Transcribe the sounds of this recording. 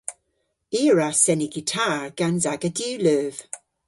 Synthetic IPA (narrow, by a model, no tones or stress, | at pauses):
iːɹasɛniɡitʰaɹɡ̥anzaɡədʉːløːv̥